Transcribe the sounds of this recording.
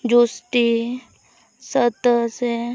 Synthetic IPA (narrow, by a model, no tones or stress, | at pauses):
d͡ʒusʈi | sət̪se